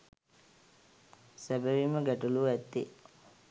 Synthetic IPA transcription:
sæbəʋiməɡæʈuluːæt̪ːi

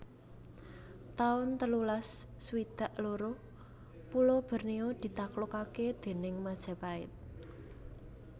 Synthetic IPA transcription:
t̪aʊnt̪əlulasːwid̪̥a̤ʔloɾo | pulob̥ə̤rniod̪̥i̤t̪aklokaked̪̥e̤nɪŋmad̥ʒ̥a̤paɪ̰t̪̚

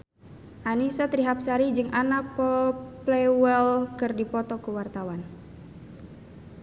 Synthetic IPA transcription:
ʔanisat̪ɾiɦapsaɾid͡ʒɨŋʔanak̚pɔplɛwɛlkɨrdipɔt̪ɔkuwart̪awan

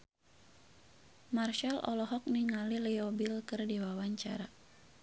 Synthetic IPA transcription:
marʃalʔɔ̰lɔɦɔk̚niŋaliliɔbilkɨrdiwawaɲt͡ʃa̰ɾa

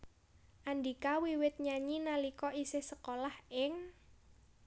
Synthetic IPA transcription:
ʔandikawiwɪt̪̚ɲaɲinalikɔʔisɪhsəkolahɪŋ

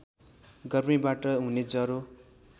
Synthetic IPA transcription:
ɡʌrmibaʈʌɦuned͡zʌɾo

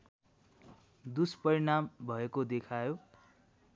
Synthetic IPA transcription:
d̪uspʌɾinambʱʌekod̪ekʰajo

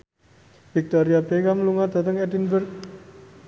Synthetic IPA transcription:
fik̚t̪ɔɾiabeɡamluŋad̪̥a̤t̪əŋɛdinbərk̚

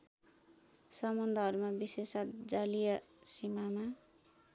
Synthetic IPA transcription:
sʌmʌnd̪ʱʌɦʌɾumabisesʌd͡zalijʌ | simama

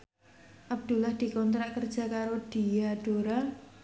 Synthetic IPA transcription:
ʔab̚d̪̥ṳlahd̪̥i̤kɔnt̪ɾaʔkərd̥ʒ̥a̤kaɾod̪̥ijaɖ̥oɾa

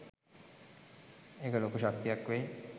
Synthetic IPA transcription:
ekəloːkuʃak̚t̪ijakʋej

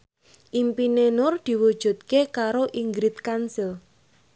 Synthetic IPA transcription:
ʔimpinenʊrd̪̥i̤wud̥ʒ̥ṳt̪̚kekaɾoʔiŋɡɾit̪kansil

